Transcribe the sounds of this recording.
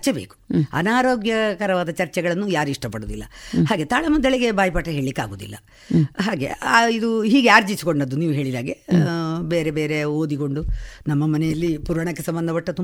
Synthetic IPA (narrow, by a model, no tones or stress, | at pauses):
ɐt͡ʃɛbḛːku̥ɐ̰naːɾo̞ːɡjɐkɐɾɐʋaːd̪ɐt͡ʃɐɾt͡ʃɛɡɐɭɐnːujaːɾuiʂʈɐpɐɽoːd̪ilːɐ̰haːɡe̞t̪aːɭɐmud̪ɐɭeɡe̞baːjɐpaːʈːɐɦe̞ːɭlikːa̰ːɡoːd̪ḭlːɐ | ɦaːɡe̞̰aid̪uɦiːɡeaːɾd͡ʒisikoɳɖɐd̪ːuniːʋuɦe̞ːɭid̪a̰ːɡebeːɾebeːɾe̞oːd̪iko̞ɳɖunɐmːɐmɐnɛjɐlːipuɾaɳɐkːesɐmbɐnd̪ɐpɐʈːɐt̪u